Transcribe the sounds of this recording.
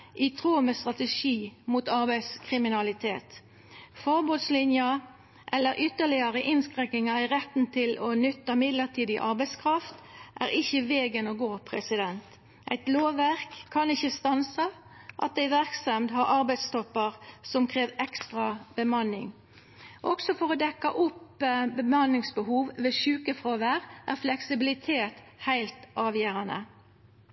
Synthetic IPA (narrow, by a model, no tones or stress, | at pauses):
ʔɪt̪ʰʁuːməst̪ʁɑt̪əʂiːmuːt̪ɑʁbæɪskʰʁɪmɪnɑlɪt̪ʰeːt̪ | fɔʁbuːd̪slɪnjə | ʔɛlːəɾʔʏt̪ːəɭɪəʁəʔɪnskʁɛŋːɪŋɑɪʁɛt̪n̩t̪ʰɪlɔnʏt̪ːəmɪd̪ləʁt̪ʰiːd̪ɪʔɑʁbæɪskʰʁɑft̪ʔæːʁɪçəʋeːɡənoːɡoːpʰʁɛsɪd̪ɛnt̪ | ʔæ̰ɪt̪loːʋæʁkʰːɑnɪçəst̪ɑnsə | ʔɑ̰t̪̚d̪æɪʋæʁksɛmd̪hɑɾɑɾbæɪd̪st̪ɔpːəʁsɔmkʰɾeːʋɛkst̪ʁɑb̥əmɑnɪ̰ŋ | ʔɔksɔfɔʁɔd̪ɛkːɑ̰ʔʊpbəmɑnːɪŋsbəhuːʋʋeʃʉːkəfʁoːʋæʁʔæ̰ʁflɛksɪbɪlɪt̪ʰeːt̪ | hæɪlt̪ʔɑːʋjæːɾɑnə̰